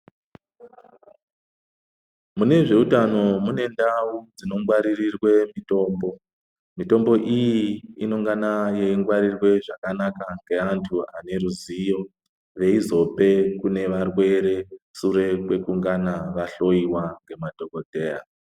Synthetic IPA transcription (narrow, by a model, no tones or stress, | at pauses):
mune̞ʐe̞utano̞mune̞ndaud͡zino̞ŋɡwaɾirirwe̞mito̞ːmbo̞ | mito̞mbo̞ʔijiino̞ŋɡanajeiŋɡwaɾirwe̞ʐakanakaŋɡe̞antʰuane̞ɾuzijo̞ | ʋe̞izo̞pe̞kune̞ʋarwe̞ɾe̞suɾe̞kwe̞kuŋɡanaʋaɬo̞iwaŋɡe̞mad̥ʱo̞ko̞dʱe̞ːa